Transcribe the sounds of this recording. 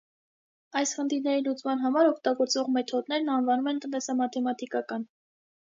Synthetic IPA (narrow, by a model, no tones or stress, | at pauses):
ɑjsχənt̪ʰiɾnɛɾilut͡smɑnɦɑmɑɾɔkʰt̪ɑɡɔɾt͡svɔʁmɛt̪ʰɔd̪nɛɾnɑnvɑnumɛnt̪ənt̪ɛsɑmɑt̪ʰɛmɑt̪ʰikɑkɑn